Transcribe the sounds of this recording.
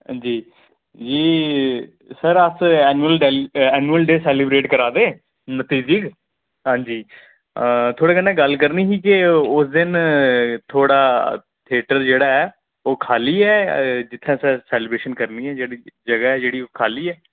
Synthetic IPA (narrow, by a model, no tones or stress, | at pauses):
ã̰d͡ʒiː | d͡ʒiː | səɾəsɛːnuəlɖːlɛːnuəlɖeːsɛːlɪbɾeːʈkəɾaːd̪ẽː | nət̪iːd͡ʒəɡ | ɦãːɲd͡ʒiː | t̪ʰoːɽeːkənɛ̃ːɡəlkəɾniːsiːkɪʊsd̪ɪn | t̪ʰoːɽaː | t̪ʰɪeːʈəɾd͡ʒeːɽaːɛː | oːkʰaːliːɛːd͡ʒɪt̪ʰːẽːsɛːsɛːlɪbɾeːʃənkəɾniːɛːd͡ʒeːɽiːd͡ʒəɡaːɛːd͡ʒeːɽiːoːkʰaːliːɛː